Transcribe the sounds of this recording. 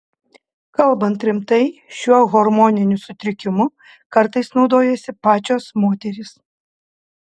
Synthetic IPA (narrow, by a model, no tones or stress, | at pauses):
kɐlˠˑbɐnt̪ɾʲɪmt̪ɐɪʃʲuɔɣɔɾmɔnʲɪnʲʊsʊt̪ʲɾʲɪkʲɪmʊ | kɐɾt̪ɐɪsnɒʊd̪oːjɛsʲɪpɑːt͡ʃʲoːsmoːt̪ʲɛɾʲɪs